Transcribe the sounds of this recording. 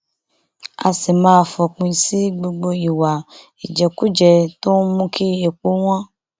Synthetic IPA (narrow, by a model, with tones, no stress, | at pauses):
a̰˨se˨mã˦˨fɔ˨k͡pũ˨˦si˦ɡ͡bo˦ɡ͡bo˦i˨wa˨ | i˨d͡ʒɛ˨ku˦d͡ʒɛ˨t̪o˦mũ˦kʰi˦e˨k͡po˦wã˦